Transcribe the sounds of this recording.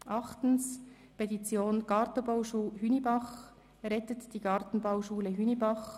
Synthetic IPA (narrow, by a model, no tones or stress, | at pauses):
ʔɑχtn̩s | pɛtit͡sjoːnɡ̥ɑɾtəbaʊʃuːhynibɑχ | ɾɛtətd̥iːɡɑɾtn̩baʊʃuːləɦynibɑχ